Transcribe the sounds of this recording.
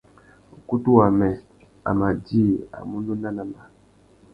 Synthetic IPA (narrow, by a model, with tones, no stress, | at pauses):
u˨ku˦tu˦wa˨mɛ˨ | a̰˨ma˨di˦a̰˨mu˦nu˦na˦na˨ma˨